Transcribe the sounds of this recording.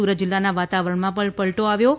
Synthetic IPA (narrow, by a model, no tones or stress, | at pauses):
uɾət̪̚ːd͡ʒɪlːanaʋat̪aʋəɾəɳmãpəpəɭʈ̪oaʋjo